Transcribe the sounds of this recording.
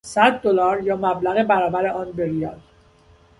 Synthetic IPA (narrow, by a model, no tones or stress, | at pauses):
sæd̪ːolɒːɾjɒːmæblæɣebæɾɒːbæɾe̞ʔɒːnbeɾijɒl